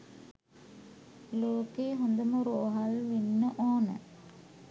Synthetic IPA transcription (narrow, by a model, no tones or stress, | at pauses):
loːkeːɦond̪əmuɾuːɦalʋinːəʔoːnə̰